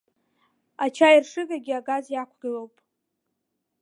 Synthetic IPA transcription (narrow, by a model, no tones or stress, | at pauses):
at͡ʃʰajirʂɨɡaɡʲiaɡazjakʷʰɡalowpʼ